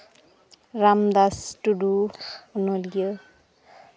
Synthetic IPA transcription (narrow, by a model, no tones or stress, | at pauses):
ɾamd̪asʈuɖunolijə